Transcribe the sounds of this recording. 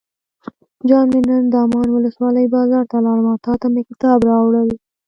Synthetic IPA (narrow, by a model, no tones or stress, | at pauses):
d͡ʒɑnmenənd̪ɑːmɑnwʊləswɑləjbɑzɑɾt̪alɑlmɑt̪ɑːt̪amekɪt̪ɑːbɾɑwɽəw